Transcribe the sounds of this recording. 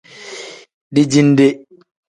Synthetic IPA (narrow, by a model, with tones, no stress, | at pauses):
ɗi˦d͡ʒindɛ˦